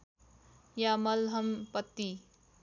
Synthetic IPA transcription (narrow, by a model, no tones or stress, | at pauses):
jamʌlɦʌmpʌt̪ːi